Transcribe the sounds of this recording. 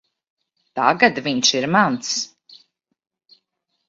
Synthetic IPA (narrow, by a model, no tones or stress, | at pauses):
t̪aɡat̪viɲʃiɾmant̪s